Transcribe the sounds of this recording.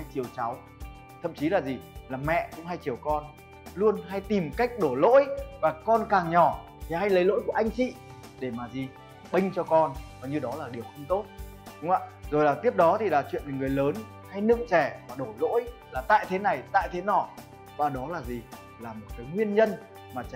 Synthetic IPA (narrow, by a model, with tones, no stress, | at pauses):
ha˧jt͡ɕi˨˩əwt͡ɕa˨˦w | t̪ʰə̰˧˨mt͡ɕi˨˦laː˨˩zi˨˩laː˨˩mɛ̰˧˨kʊ̰˧˥ŋ͡mha˧jt͡ɕi˨˩əwkɔ˧n | lu˧ənɦa˧jt̪i˨˩mka˦˥jk̟̚ɗo˧˩lo̰˧˥jvaː˨˩kɔ˧nkaː˨˩ŋɲɔ˧˩ | t̪ʰi˨˩ha˧jlə˨˦jlo̰˧˥jku˧˩ʔa˧jŋ̟t͡ɕḭ˧˨ | ɗe˧˩maː˨˩zi˨˩ | ɓï˧ŋ̟t͡ɕɔ˧kɔ˧nvaː˨˩ɲɨ˧ɗɔ˨˦laː˨˩ɗi˨˩əwxə˧wŋ͡mt̪o˦˥t̚ | ɗʊ˨˦ŋ͡ma̰ː˧˨zo˨˩jlaː˨˩t̪i˦˥əp̚ɗɔ˨˦t̪ʰi˨˩laː˨˩t͡ɕwḭ˧˨ənmi˨˩ŋɨ˨˩əjləː˨˦n | ha˧jnɨ̰˧˨ŋt͡ɕɛ˧˩maː˨˩ɗo˧˩lo̰˧˥jlaː˨˩t̪a̰ː˧˨jt̪ʰe˨˦na˨˩jt̪a̰ː˧˨jt̪ʰe˨˦nɔ˧˩ | vaː˨˩ɗɔ˨˦laː˨˩zi˨˩ | laː˨˩mo˨˩t̚kaː˨˦jŋwi˧ənɲə˧n | maː˨˩t͡ɕa˨˦